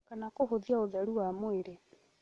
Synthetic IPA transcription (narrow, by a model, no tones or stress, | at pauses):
kanakoɦoðiaoðaɾuwamoeɾe